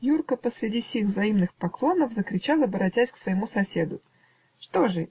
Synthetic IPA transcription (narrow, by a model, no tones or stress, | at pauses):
jurkəpəsɾʲɪdʲifsʲiɣvzɐimnɨxpɐklˠo̞nəvzəkɾʲɪt͡ɕalˠəɐbəɾɐtʲæsʲksvəjɪmusɐsʲe̞d̪ʊ | ʂt̪o̞ʐɨ